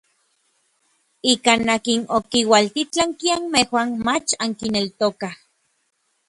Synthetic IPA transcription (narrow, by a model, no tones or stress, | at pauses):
ikanːakinokiwalt̪it͡ɬaŋkianmehwanmat͡ʃaŋkinelt̪okah